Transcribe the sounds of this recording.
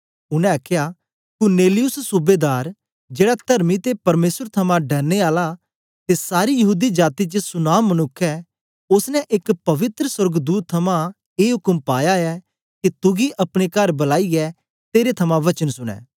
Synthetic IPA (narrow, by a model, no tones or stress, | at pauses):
ʊnɛ̃ɐkʰja | kʊɾneːlɪjʊssʊbeːd̪aːɾ | d͡ʒeːɽat̪ɐɾmit̪epɐɾmeːsəɾt̪ʰɐmãɖɐɾneaːla | t̪esaːɾijɐɦuːd̪id͡ʒaːt̪it͡ʃəsʊnaːmːɐnʊkʰːɛ | ʊsnɛ̃ʔɪkpɐʋɪt̪ɾəswɐɾɡd̪uːt̪ʰːɐmã | eːɦʊkəmpaːjaɛ | kit̪ʊɡiʔɐpɽ̃ekɐɾbɐlaːiɡɛ | t̪eːɾet̪ʰɐmãʋɐt͡ʃənsʊɽ̃ɛ̰ː